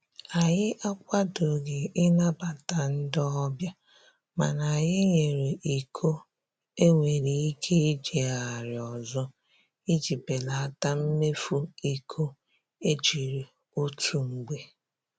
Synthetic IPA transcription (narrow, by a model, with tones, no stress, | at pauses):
a˨ɲɪ˦ʔa˦kʷa˦dʊ˨ɡɪ˨ɪ˦na˦ba˨ta˨n̩˦dɔ˦bja˦ | ma˨na˨jɪ˦ɲe˨ɾe˨ʔi˨kʰo˦ | e˦ŋʷe˨ɾi˨i˦kʰe˦i˦d͡ʒe˨a˨ɾɪ˨ɔ˨zɔ˦ | i˦d͡ʒi˨pe˨la˨a˦ta˦m̩˦me˦fu˦i˨kʰo˦ | e˦t͡ʃi˨ɾe˨ | o˦tu˦ŋ͡m̩˨ɡ͡be˦